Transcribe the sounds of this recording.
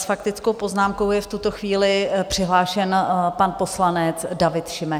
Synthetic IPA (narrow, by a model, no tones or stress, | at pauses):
sfakt̪ɪt͡skowpo̞znaːmko̞wjɛft̪ut̪o̞xviːlɪpr̥ɪɦlaːʃɛnpanpo̞slanɛt͡sdavɪt̪ʃɪmɛ